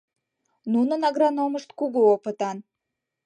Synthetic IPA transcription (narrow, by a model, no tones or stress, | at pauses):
nunənɑɣrɑnoməʃt̪kuɣuopə̆t̪ɑn